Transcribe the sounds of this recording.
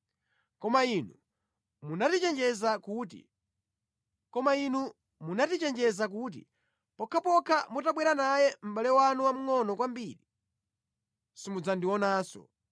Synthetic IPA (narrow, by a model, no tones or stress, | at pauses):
kɔmainu | munatit͡ʃɛnd͡ʒɛzakutḭ | kɔmainu | munatit͡ʃɛnd͡ʒɛzak̬ut̬ḭ | pɔkʰapɔkʰamutaɓwɛɾanajɛm̩ɓalɛwanuwam̩ŋɔnɔkwambiːɾi | simud͡zandiwɔnaːsɔ̰